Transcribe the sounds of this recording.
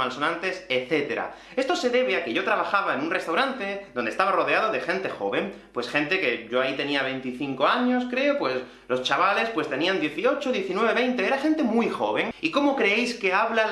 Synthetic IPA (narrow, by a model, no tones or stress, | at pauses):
malso̞nãnt̪e̞seθe̞t̪e̞ɾa̰ | e̞st̪o̞se̞ðe̞βeake̞ʝo̞t̪ɾaβ̞axaβ̞aenunre̞st̪awɾant̪eðo̞nd̪est̪aβaro̞ðeað̞oðe̞xẽ̞nt̪e̞xo̞̰βe̞mpwe̞sxẽ̞nt̪e̞keʝoait̪e̞niaβ̞e̞nt̪iθiŋko̞aɲo̞skɾe̞opwe̞s | lo̞st͡ʃaβale̞spwe̞st̪e̞niand̪je̞θio̞t͡ʃoðje̞θinwe̞β̞e̞βe̞jnt̪e̞eɾaxe̞nt̪e̞mujxo̞̰βeŋiko̞mokɾeejske̞aβla